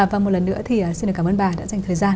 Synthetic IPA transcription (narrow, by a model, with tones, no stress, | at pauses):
vaː˨˩mo˨˩lə˨˩nːɨ̰˧˥ət̪ʰi˨˩ʔəː˨˩si˧ɗə˨˩kaː˧˦məː˧nɓaː˨˩ɗa̰ː˧˥za˨˩ŋ̟t̪ʰəː˨˩jzaː˧n